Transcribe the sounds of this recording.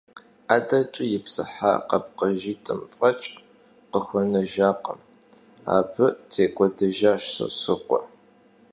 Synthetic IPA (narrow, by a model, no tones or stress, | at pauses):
aːdɐt͡ʃʼɪjɪpsɨħa̰qɐpqəʒiːtʼɨmfʼɐt͡ʃʼ | qəxʷɔnɐʒaːqə̰m | a̰ːbʰɨtʰeːɡʷʼɔdɐʒaːʃsɨ̰sɨqʷɔ̰